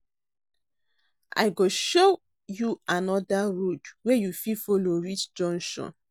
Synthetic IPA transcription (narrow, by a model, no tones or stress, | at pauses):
ʔa̰ɪɡoʃo | juanɔdaɹodwɛjufifɔloɹit͡ʃd͡ʒɔ̃nʃɔ̰̃n